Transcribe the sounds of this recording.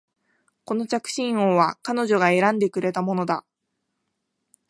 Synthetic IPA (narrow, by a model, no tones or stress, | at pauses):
ko̞no̞t͡ɕakɯ̟̥ɕĩɰ̃oːβakano̞ʑo̞ɡae̞ɾãnd̪e̞kɯ̟ɾe̞t̪amo̞no̞d̪a